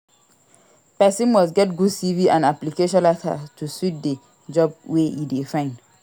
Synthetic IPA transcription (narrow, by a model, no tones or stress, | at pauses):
pɛsĩnmɔstɡɛt̚ɡudstiviʔãnaplikeʃɔ̃nlatʰa̰tʰuswit̚de | d͡ʒɔbweidefãɪ̃nd